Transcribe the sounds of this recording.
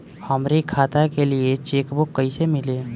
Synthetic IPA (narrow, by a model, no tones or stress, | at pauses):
hɐmɾikʰaːt̪akeliet͡ʃeːkbokːəisemɪleː